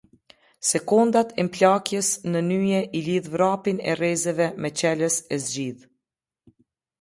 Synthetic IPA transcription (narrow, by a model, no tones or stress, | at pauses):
sɛkund̪at̪ɛmplakjəsnənyjɛʔiliðvɾapinɛ̰rɛzɛvɛmɛt͡ɕɛləsɛzɟið